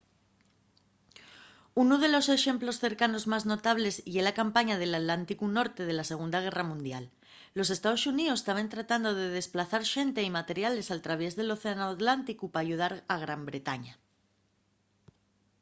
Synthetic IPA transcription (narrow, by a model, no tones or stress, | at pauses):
unuð̞e̞lo̞se̞ʃe̞mplo̞sθe̞ɾkano̞zmazno̞t̪aβ̞le̞sjelakampaɲað̞e̞lat̪lant̪ikuno̞ɾt̪e̞ð̞e̞lase̞ɣ̞und̪aɣ̞e̞ramũnd̪jalː | o̞se̞st̪aðo̞suniost̪aβ̞ent̪ɾat̪and̪o̞ð̞e̞ð̞e̞splaθaɾʃe̞nt̪e̞imat̪e̞ɾjale̞salt̪ɾaβ̞e̞zð̞e̞lo̞θeanoat̪lant̪ikupaːʝuð̞aɾaɣɾambɾe̞t̪aɲa